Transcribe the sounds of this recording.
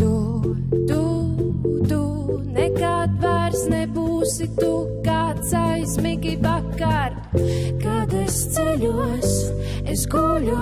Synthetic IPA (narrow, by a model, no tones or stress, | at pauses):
t̪u | t̪u | t̪u | nɛkat̪vaɾsnɛbuːsit̪u | kaːt̪sajsmiɡivakːaɾ | kad̪ɛst̪sɛlʲus | esɡulʲu